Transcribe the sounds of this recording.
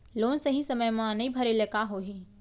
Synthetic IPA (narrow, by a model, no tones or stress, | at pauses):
loːnsɐɦĩsɐməjmãnɐibʱɐɾilɐkaɦoːɦi